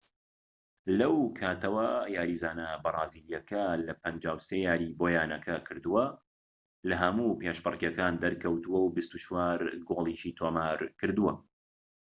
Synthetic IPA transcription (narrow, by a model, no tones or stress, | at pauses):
lɐwkʰaːt̪ɐwɐjaːɾiːzaːnɐbɐrˤɑːziːɾjɐkʰɐlɐpɐnd͡ʒaːwsejaːɾiboːjaːnɐkʰɐkʰɨɾd̪uwɐ | lɐɦɐmupeːʃbɨrˤkjɐkaːnd̪ɐɾkʰɐwt̪uwɐwbist̪ut͡ʃʰwaːɾɡoːlˠiʃiːt̪ʰoːmaːɾkɨɾd̪uwɐ